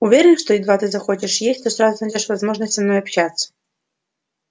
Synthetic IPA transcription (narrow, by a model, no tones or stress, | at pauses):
ʊvʲeɾʲɪnʂt̪ɔid̪vat̪ɨzɐxot͡ɕʲɪʂjesʲtʲt̪ɔsɾazʊnɐdʲeʂvɐzmoʐnəsʲtʲɐnɔjɐpɕat̪sːə̥